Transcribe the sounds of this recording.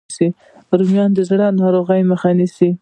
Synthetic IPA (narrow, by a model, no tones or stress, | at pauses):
si | ɾumjɑnd̪əzɽanɑɾoɣajməxanisi